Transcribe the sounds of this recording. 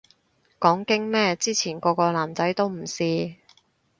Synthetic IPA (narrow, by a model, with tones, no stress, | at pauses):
kɔː˨˥ŋkɪ˥ŋmɛː˥t͡siː˥t͡sʰiː˨˩nkɔː˧kɔː˧laː˨˩mt͡sɐ˨˥jt̪o˥wm̩˨˩siː˧